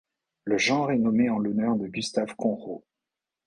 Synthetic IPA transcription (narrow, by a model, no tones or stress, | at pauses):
ləʒɑ̃ʁɛnɔmeɑ̃lɔnœʁd̪əɡʲyst̪avkɔ̃ʁo